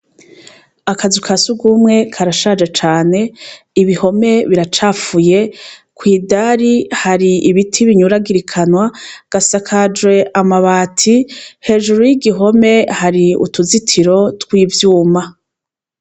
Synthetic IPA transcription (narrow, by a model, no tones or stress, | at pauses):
akazukʰasuɡumŋe̞kʰaɾaʃad͡ʒet͡ʃaːne̞ | iβiho̞me̞βiɾat͡ʃaːfuje̞kwiːdaɾihaɾiiβitʰiβiɲuɾaɡiɾikʰanwaɡ̥asakʰad͡ʒwe̞ʔamaβaːtʰihe̞ʒuɾujiɡiɦo̞me̞haɾiṵtuzitʰiɾo̞twiːvjuːma